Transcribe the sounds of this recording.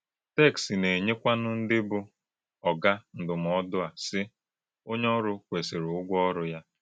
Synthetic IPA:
tɛ˦˨ksi˨ne˨ɲe˦kʷa˦nʊ˦n̩˦dɪ˦bʊ˦ | ɔ˨ɡa˦n̩˨dʊ˨m˨ɔ˦dʊ˦a˨sɪ˦ | o˦ɲ˦ɔ˦ɾʊ˦kʷe˨se˨ɾʊ˦ɡʷɔ˦ɾʊ˦ja˦

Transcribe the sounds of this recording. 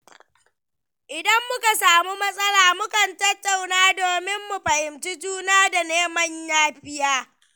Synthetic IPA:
ʔɪ˨dɐ˦mːʊ˦ka˨saː˨mu˦mɐ˦sʼɐ˦laː˨mʊ˦kɐ˨ntɐ˦tːa˨wnaː˦doː˨mɪ˦mːu˨ɸɐ˨ʔɪ˨mt͡ʃi˦d͡ʒuː˦naː˦da˨neː˦mɐ˦ɲjaː˦ɸɪ˦jaː˦

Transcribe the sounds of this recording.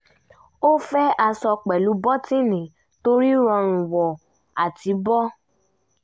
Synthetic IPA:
o˦fɛ˦a˧sɔ˧k͡pɛ˨lu˨˦bɔ˦ti˦˨nĩ˨ | to˦ɾi˦ɾɔ̃˧n̩˨wɔ˨ | a˨ti˨˦bɔ˦

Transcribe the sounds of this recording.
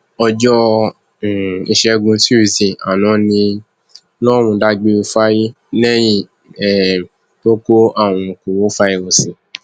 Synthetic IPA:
ɔ˧d͡ʒɔ˦˨ | i˧ʃɛ˧ɡũ˧ti˦i˦˨si˨a̰˨nɔ̃˨˦nĩ˧ | nɔ̃˦˨mũ˧˦da˧ɡ͡be˧o˧fa˦ji˦ | nɛ̃˦jĩ˦˨ | ɛ˨ | to˦ko˦a˦˨w̃ũ˧ku˨wo˨˦fa˦i˧o˧si˨

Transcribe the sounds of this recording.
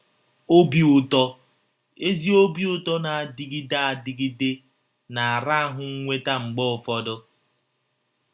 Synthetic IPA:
o˦bi˦ʊ˦tɔ˦ | e˦zi˦o˦bi˦ʊ˦tɔ˦na˨a˨di˨ɡi˦da˦a˨di˨ɡi˦de˦ | na˨a˨ɾa˦a˦ɦʊ˨ŋ̩˦ŋʷe˦ta˦ŋ͡m̩˨ɡ͡bɔ˦ʊ˨fɔ˦dʊ˦

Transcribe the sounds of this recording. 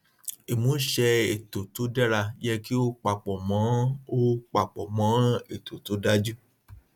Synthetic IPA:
e˨mũ˨˦ʃɛ˧e˨to˨to˨˦dɛ˦ɾa˧jɛ˦ki˦o˦k͡pa˨k͡pɔ˨mã˨˦o˦k͡pa˨k͡pɔ˨mã˨˦e˨to˨to˨˦da˦d͡ʒu˦

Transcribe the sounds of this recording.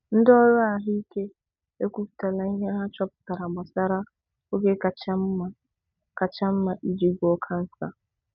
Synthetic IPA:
n̩˦dɔ˦ɾɔ˦a˨ɦi˦i˦ke˦ | e˦kʷu˦pu̥˨ta˨la˦i˦ɦa˦ɦa˦t͡ʃɔ˦pʊ̥˨ta˨ɾa˨ma˨sa˦ɾa˦ | o˦ɡe˦ka˨t͡ʃa˦m̩˦a˦ | ka˨t͡ʃa˦m̩˦ma˨ʔi˦d͡ʒi˦ɡɔ˦kʰa˦n̩˦sa̰˦

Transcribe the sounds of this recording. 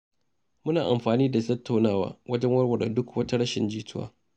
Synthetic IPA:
mʊ˦naː˨ʔa˨mɸaː˨niː˦da˨tɐ˦tʰːa˨wnaː˦˨wa̰ː˦wɐ˦d͡ʒɛ˦ŋwɐ˦ɽwɐ˨ɽa˨dʊ˦kwɐ˦ta˦ɽɐ˦ʃɪ˨nd͡ʒiː˦tʊ˦a̰ː˦

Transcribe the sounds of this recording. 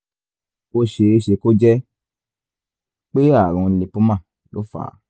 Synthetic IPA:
o˧ʃe˧e˧ʃe˨˧ko˦d͡ʒɛ˦ | k͡pe˦a˦˨ɾ̃ɔ̃˧le˧pu˦mã˦˨ | lo̰˦fa̰ː˨˦

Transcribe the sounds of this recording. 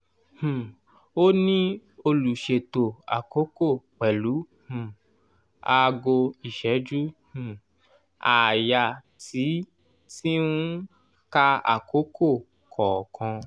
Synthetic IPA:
hũ˨ | o˦nĩ˦o˧lu˨ʃe˨to˨a̰˨ko˨˦ko˦˨k͡pɛ˨lu˨˦ | hũ˨ | a˧ɡo˧i˨ʃɛ˨˦d͡ʒu˦hũ˨ | a˨ja˨ | tʰi˨˦ | ti˦ũ˦ | ka˦a̰˨ko˨˦kʰo˦˨ | kʰɔː˨kʰã˧

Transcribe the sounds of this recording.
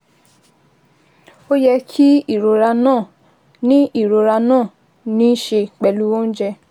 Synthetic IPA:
o˦jɛ˧kʰi˦i˦˨ɾo˨ɾa˧nãː˦˨ | nĩ˦i˦˨ɾo˨ɾa˧nãː˦˨ | nĩ˨˦ʃe˧k͡pɛ˨lu˦wo˦n̩˦d͡ʒɛ˧

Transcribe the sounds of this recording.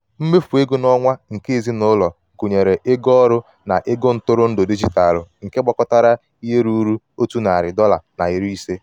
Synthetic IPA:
m̩˦me˦fu˨e˦ɡʊ˦nɔ˦ŋʷa˦ŋ̩˨ke˦˨zi˦nʊ˦lɔ˨ku˨ɲe˨ɾe˨ʔe˦ɡɔ˦ɾʊ˦ | na˨ʔe˦ɡo˦n̩˦tʊ˦ɾʊ˦n̩˦dʊ˨di˦d͡ʒi˦ta˨lʊ˨ŋ̩˨ke˦ɡ͡bɔ˦kɔ˦ta˦ɾa˦ | i˦ɦe˦ɾu˦ɾu˦ | o˦tu˦na˨a˨ɾɪ˨dɔ˦la̰˨na˨i˨ɾi˦se˦

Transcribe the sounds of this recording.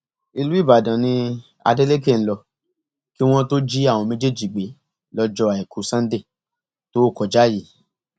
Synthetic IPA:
i˧lu˨˦i˦˨ba˨dã˨nĩ˧ | a̰˧de˦le˦ke˦˨n̩˦lɔ˧ | ki˦w̃ɔ̃˦to˦d͡ʒi˦a˦˨w̃ɔ̃˧mẽ˦d͡ʒe˦˨d͡ʒi˨ɡ͡be˨˦ | lɔ˧d͡ʒɔ˧a˨i˨kʰu˨˦sã˦de˦˨ | to˦kɔ˧d͡ʒa˦ji˨˦

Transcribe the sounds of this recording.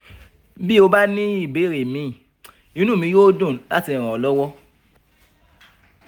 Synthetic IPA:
bi˦o˧ba˦nĩ˦i˦˨be˨˦˨ɾe˨mĩ˨˦˨ | ĩ˦nũ˦˨mĩ˧˦jo˦dõ˦˨la̰˦ti˧˨ɾ̃ã˨ɔ˨lɔ˦wɔ˦

